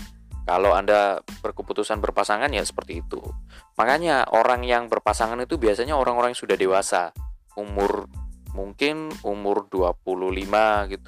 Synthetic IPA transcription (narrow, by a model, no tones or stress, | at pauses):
kalowandab̥ərkəput̪usanbərpasaŋanja̰sə̥pərt̪iːt̪ṵmʔakaɲaʔo̰ɾaŋjaŋbərpasaŋanit̪ubiasaɲaoɾaŋoɾaŋjaŋsudahdewasa | umʊrmuŋkɪnumʊrduap̚uluhlimaɡit̪